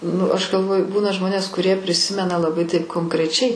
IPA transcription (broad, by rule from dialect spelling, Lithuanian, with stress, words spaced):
nʊ ˈɐʃ ɡɐlˠˈʋoːjʊ ˈbuːnɐ ˈʒmoːnʲeːs kʊˈrʲiɛ pʲrʲɪˈsʲɪmʲɛnɐ lˠɐˈbɐɪ tɐɪp koːŋkrʲɛˈt͡ʃʲɛɪ